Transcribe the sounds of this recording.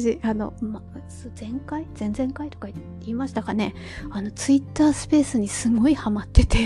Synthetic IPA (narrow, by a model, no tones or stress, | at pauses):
ʑiano̞̰masozẽ̞ŋkaiz̥ẽ̞nd͡zẽ̞ŋkait̪okai | iːmaɕi̥t̪akane̞ | ano̞t͡sɨit̪ːaːsɨ̥pe̞ːsɨɲ̟isɨɡo̞ihamat̪ːe̞t̪e̞